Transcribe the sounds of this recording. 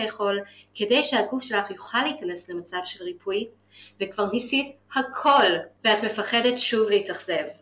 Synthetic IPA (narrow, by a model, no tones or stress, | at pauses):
jeχo̞lkʰe̞dejʃehaɡufʃe̞laχjuχalːeikane̞sle̞mat͡savʃe̞lʁipʰuj | vekv̥aʁnisithakʰo̞lveatme̞faχe̞de̞tʃuvleitaχz̥e̞v